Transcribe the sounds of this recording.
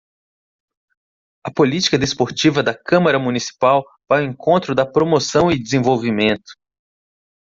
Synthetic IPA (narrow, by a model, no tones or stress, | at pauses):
ɐpolit͡ʃi̥kɐd̪espoɾt͡ʃivɐd̪ɐkɐ̃mɐɾɐmũnisi̥paw | vajʊẽkõnt̪ɾʊd̪ɐpɾomosɐ̃w̃ɪd̪ezẽvowvimẽnt̪ʊ̥